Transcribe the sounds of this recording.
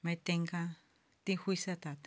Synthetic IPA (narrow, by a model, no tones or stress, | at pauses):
mẽt̪eŋɡã | t̪ĩxwisat̪at̪